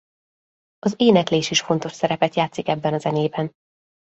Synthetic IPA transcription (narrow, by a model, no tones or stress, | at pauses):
ɒzeːnɛkleːʃiʃfo̞nt̪o̞ʃsɛɾɛpɛt̪jaːt̪sikɛbːɛnɒzɛneːbɛn